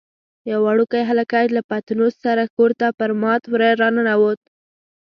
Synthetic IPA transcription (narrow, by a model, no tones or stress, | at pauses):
jawaɽukajɦalakalapat̪nossaɾakoɾt̪apəɾmɑt̪wɾaɾɑnanawot̪̚